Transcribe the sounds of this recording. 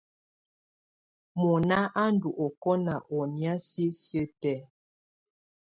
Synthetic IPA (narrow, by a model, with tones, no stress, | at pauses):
mɔ˨na˦ʔa˦n˦du˨ʔɔ˨kɔ˦na˨ʔɔ˨ni˦a˦si˦sjə˦tɛ˦